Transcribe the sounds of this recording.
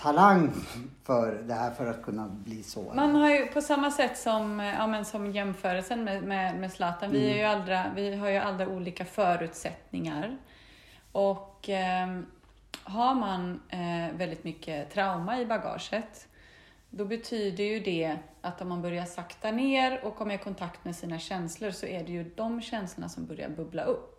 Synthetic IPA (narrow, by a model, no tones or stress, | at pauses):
t̪ʰalaŋfœɾd̪ɛhæːɾfœɾat̪̚kʰɵnːabliːsɔ̰manhaɾjɵpʰɔsamːasɛt̪ːsɔma̰ːmɛnsɔmjɛmfœːɾəlsənmɛmɛmɛslɑːt̪anvɪæɾjɵald̪ɾavɪɦaɾjɵʔald̪ɾauːliːkafœːɾʉ̟ːt̪sɛt̪nɪŋaɾ | ɔkː | ɦaɾmanvɛld̪ɪt̪mʏkːət̪ʰɾaʊmaɪbaɡɑ̰ːʂət̪ | d̪ɔbɛt̪ʰyːd̪əjɵd̪ɛʔat̪ːɔmːanbœɾjaʂakt̪aneːɾɔkkʰɔmːəɾkʰɔnt̪ʰakt̪mɛsiːnaɕɛnsləɾsɔʔæɖɛjɵd̪ɔmɕɛnsləɳa̰sɔmbœɾja̰ɾbɵbla̰ʔɵpː